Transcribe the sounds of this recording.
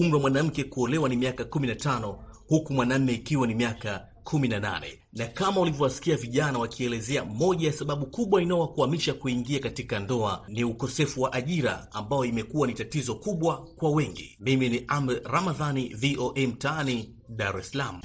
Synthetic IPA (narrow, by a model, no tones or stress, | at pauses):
um̩ɾɛwamwanam̩kɛkuɔlɛwanimiakakuminatanɔhukumwanam̩mːɛikiwanimiaka | kʰuminana̰nɛ̰ | nakamaulivjɔwasi̥kiaviʄanawakʰiɛlɛzɛamɔʄajasaɓaɓukuɓwainawakuamiʃakuiŋɡiakatikandɔaniukɔsɛfuwaʔaʄiɾa̰ambajɔimɛkuanitatizɔkuɓwakwawɛŋɡḭmiminiʔamɾɛɾamaðaniviʔoʔɛm̩taani | ɗaɾɛsalamu